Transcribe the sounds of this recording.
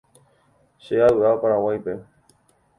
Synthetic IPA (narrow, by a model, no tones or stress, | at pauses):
ʃeaɨaopaɾãwajpe̞